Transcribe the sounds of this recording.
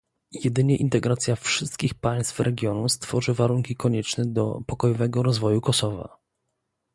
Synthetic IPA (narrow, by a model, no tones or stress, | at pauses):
jɛd̪ɘɲɛʔint̪ɛɡɾat̪sʲjafʂɘst̪̚kʲixpaj̃st̪fɾɛɡʲjɔnust̪fɔʐɘvaɾuŋkʲikɔɲɛt͡ʂnɛd̪ɔ̰pɔkɔjɔvɛɡɔɾɔzvɔjukɔsɔva̰